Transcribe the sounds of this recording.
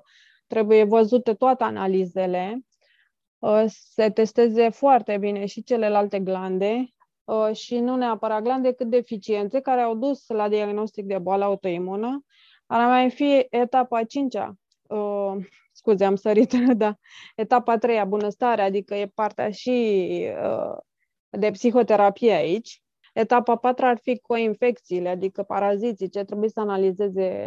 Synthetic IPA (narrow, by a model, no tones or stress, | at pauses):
t̪ɾe̞buje̞vəzut̪e̞t̪oat̪eanalize̞le̞ | se̞t̪e̞st̪e̞ze̞foart̪e̞bine̞ʃit͡ʃe̞le̞lalt̪e̞ɡland̪e̞ | əʃinune̞apəɾat̪̚ɡland̪ekɨt̪̚d̪eːfit͡ʃie̞nt̪se̞kaɾeawd̪uslad̪iaɡno̞st̪ik̚d̪e̞boaləaut̪o̞imunə | aɾamajfiet̪apat͡ʃint͡ʃʲa̰ | ə | skuzeamsəɾit̪d̪a | e̞t̪apat̪ɾe̞jabunəst̪aɾead̪ikəje̞part̪ea̰ʃiə̰ | d̪e̞psixo̞t̪e̞ɾapijeait͡ʃʲ | e̞t̪apapat̪ɾəarfikʰo̞infe̞kt̪siːle̞ad̪ikəpaɾazit̪it͡ʃeat̪ɾe̞buisəanalize̞ze̞